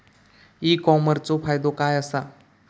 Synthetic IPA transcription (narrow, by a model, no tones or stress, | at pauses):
ikɔməɾt͡sɔfajd̪okajəsa